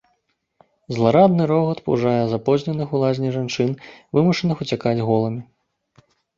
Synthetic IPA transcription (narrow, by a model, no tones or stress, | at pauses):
zlˠaɾad̪̚nɨɾɔɣɐt̪pṵʐajɛzapɔzʲnʲɛnɨxulˠazʲnʲiʐant͡ʂɨnvɨmuʂɐnɨxut͡sʲakad͡zʲɣɔlˠɐmʲi